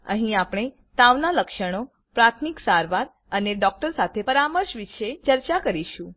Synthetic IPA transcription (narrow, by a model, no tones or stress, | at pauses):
ə̰ɦĩapɽ̃e | t̪aʋnaləkʃəɽ̃o | pɾat̪ʰmiksaɾʋaɾ | əneɖɔk̚ʈəɾsat̪ʰepəɾaməɾʃʋiʃet͡ʃəɾt͡ʃakəɾiʃũ